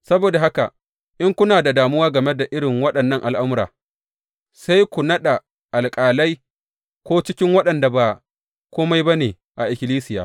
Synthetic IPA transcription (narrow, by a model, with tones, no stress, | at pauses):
sɐ˦boː˨da˨ɦa˦ka̰˨ | ʔɪ˦ŋkʷʊ˦naː˨da˨daː˨mʊ˦waː˦ɡɐ˨me˦da˨ʔɪ˦ɽɪ˨ŋwɐ˦ɗɐ˨nːɐ˦ŋʔa˨lʔa˦mʊ˦ɾa̰ː˨ | sa˦jkʷu˨nɐ˦ɗa˨ | ʔa˨lkʼaː˨la˦j | kʷoː˦t͡ʃɪ˦kʲɪ˦ŋwɐ˦ɗɐ˨nda˨ba˨ | kʷoː˦ma˦jba˦neː˨ | ʔa˨ʔɪ˨kʲɪ˨liː˦sɪ˦jaː˨